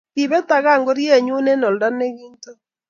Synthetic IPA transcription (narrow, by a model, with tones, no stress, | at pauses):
i˨βɛ˦ta˨ɣa˦˨ŋɡo˦ɾje˦˨ɲu˦ne˦nɔ˨lda˦ne˦ɣiː˦nto˦